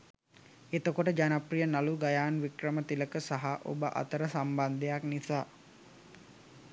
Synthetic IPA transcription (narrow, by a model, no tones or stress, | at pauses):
et̪əkoʈəd͡ʒanaprijənaluɡajaːnʋikrəmət̪iləkəsaɦaʔo̰bəʔa̰t̪əɾəsamband̪ejaknisaː